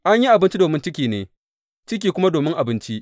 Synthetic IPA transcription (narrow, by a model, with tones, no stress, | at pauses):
ʔa˦ɲji˦ʔa˨bɪ˦nt͡ʃi˦doː˨mɪ˦nt͡ʃɪ˦kʲiː˨nḛː˨ | t͡ʃɪ˦k̬ʲiː˨kʷʊ˦ma˦doː˨mɪ˦ŋʔa˨bɪ˦nt͡ʃi˦ʔ